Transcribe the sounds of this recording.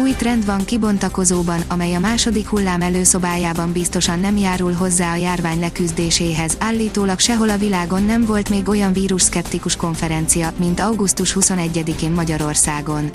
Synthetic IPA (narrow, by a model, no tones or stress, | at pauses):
ujt̪rɛnd̪ʋɒŋkibo̞nt̪ɒko̞zoːbɒnɒmɛjɒmaːʃo̞d̪ikhulːaːmɛløːso̞baːjaːbɒmbist̪o̞ʃɒnːɛmjaːɾulɦo̞zːaːɒjaːrvaːɲlɛkyzd̪eːʃeːɦɛzaːlːiːt̪oːlɒkʃɛɦo̞lɒvilaːɡo̞nːɛmvo̞lt̪meːɡo̞jɒɱviːɾuʃskɛpt̪ikuʃko̞ɱfɛɾɛnt̪sijɒmint̪ɒwɡust̪uʃhuso̞nɛɟːɛd̪ikeːmːɒɟɒɾo̞rsaːɡo̞n